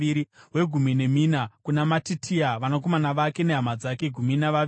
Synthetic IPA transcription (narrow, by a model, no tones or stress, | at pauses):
iɾiɦwe̞ɡʱumine̞miːnakunamatitʰiaʋanak̬o̞manaʋake̞neɦamad͡zake̞ɡʱuminaʋaʋ